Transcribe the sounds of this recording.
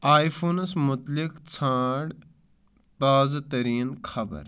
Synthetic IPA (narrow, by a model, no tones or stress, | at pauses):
aːjfʰuːnsmʊt̪lɪkt͡sʰãːɖ | t̪aːzat̪ɐɾiːnkʰɐbə̰ɾ